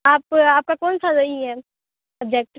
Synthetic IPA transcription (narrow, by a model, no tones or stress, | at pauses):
aːpaːp̚kakoːnsadoiɦɛ | əb̚d͡ʒek̚ʈ